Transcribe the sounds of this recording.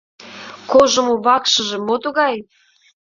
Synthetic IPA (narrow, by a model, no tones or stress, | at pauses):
koʒŏmoβɑkʃə̆ʒĕmot̪oɣɑj